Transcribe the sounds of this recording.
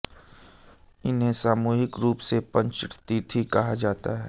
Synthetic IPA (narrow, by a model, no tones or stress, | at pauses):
ɪnɦẽsaːmuːɦɪkɾuːpsepɐ̃ɲt͡ʃʈt̪it̪ʰikɐɦad͡ʒaːt̪aɦɛ̰ː